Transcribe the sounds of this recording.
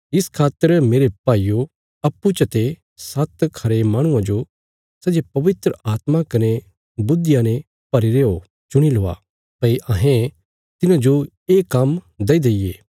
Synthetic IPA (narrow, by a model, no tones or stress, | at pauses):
ɪskʰaːt̪ːəɾmeːɾepaːijo | ɐpːut͡ʃɐt̪e | sɐt̪kʰɐɾemaːɽ̃ʊ̃ãd͡ʒo | sɛːd͡ʒepɐʋɪt̪ɾəʔaːt̪makɐne | bʊd̪ːɪjanẽ | pɐɾiɾeːo | t͡ʃʊɽ̃iloːa̰ | pɐiʔɐɦẽ | t̪ɪnãd͡ʒo | eːkːɐm | d̪ɐid̪eijeː